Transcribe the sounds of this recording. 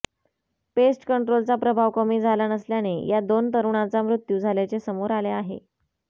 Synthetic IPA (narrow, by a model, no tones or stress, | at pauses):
pesʈkəɳʈɾolt͡sapɾəbʱaʋkəmiːd͡zʱalanəsljanejad̪ont̪əɾuɳat͡samɾut̪juːd͡zʱaljat͡sesəmoɾaleaɦḛ